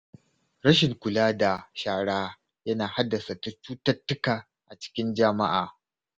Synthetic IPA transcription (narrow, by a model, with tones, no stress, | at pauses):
ɾɐ˦ʃɪ˨ŋkʷʊ˨laː˦da˨ʃaː˨ɽaː˦ | jɐ˦naː˨ha˦dːɐ˨sa˨ta˦t͡ʃuː˦tɐ˦tːʊ˦kaː˨ | ʔa˨t͡ʃɪ̥˦kʲɪ˦nd͡ʒɐ˦ma˦ʔa̰ː˨